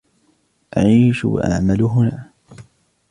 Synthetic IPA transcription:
ʔaʕiːʃwa̰ʔa̰ʕmalʊɦʊnaː

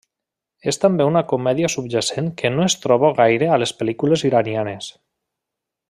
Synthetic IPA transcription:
est̪ambeunakomɛðiasub̚ʒaseŋkʰenoest̪ɾɔβoɣajɾealespelikuleziɾanianes

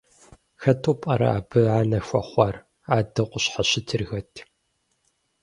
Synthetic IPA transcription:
xɐtʰuːpʼɐɾɐ̰a̰ːbɨʕaːnɐxʷɐχʷɑr | aːdɐqʷʊɕħaɕɪtʰɨrɣɐtʰ

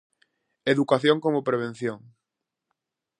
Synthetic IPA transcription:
eðukaθjoŋkomʊpɾeβ̞en̟θjoŋ

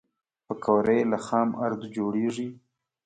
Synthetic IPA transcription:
pəkʰawɾəjlaxɑma̰ɾd̪ud͡ʒoɽeʐi

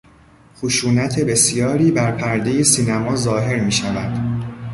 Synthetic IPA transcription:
xoʃuːnæt̪ʰe̞be̞sjɒːɾiːbæɾpʰæɾd̪e̞jesiːnæmɒːzɒːɦe̞ɾmiːʃævæd̪̥

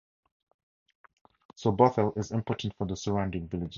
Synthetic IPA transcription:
sɔbɔθəlɪzɪ̃mpʰɔɹʔn̩tfə˞ðəsəɹãʊ̃ndɪ̃ŋvɪlɪd͡ʒ

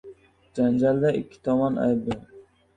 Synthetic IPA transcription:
d͡ʒand͡ʒald̪aʔɪkʲʰːɪ̥t̪ʰɒmɒna̰jbɪ

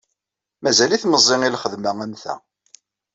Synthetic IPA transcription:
mæzæliθməzˤːɪŋilχəðmæænθæ̰

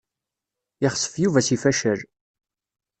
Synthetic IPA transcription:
jɪχə̥sˤːə̥fjuvæsifæʃəɾ

